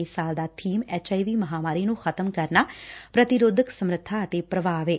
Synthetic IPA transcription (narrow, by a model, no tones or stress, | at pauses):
esaːld̪aːt̪ʰiːmɛːt͡ʃaːiʋiːməɦaːmaːɾiːnũːxʰət̪əmkəɾnaːpɾət̪ɪɾoːd̪ʱəksəmɾət̪ʰːaːət̪eːpɾəbaːʋeː